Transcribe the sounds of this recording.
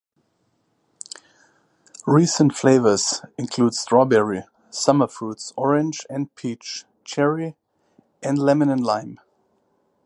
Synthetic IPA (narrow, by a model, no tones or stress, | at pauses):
ɹiːsə̃ntfleɪvə˞zɪ̃nkʰl̥uːdstɹ̥ɔbɛɹi | sʌmə˞futsɔɹɪ̃nd͡ʒɛ̃nd̚pʰit͡ʃ | t͡ʃʰɛɹi | ɛ̃ndlɛmɪnə̃nlãɪ̃m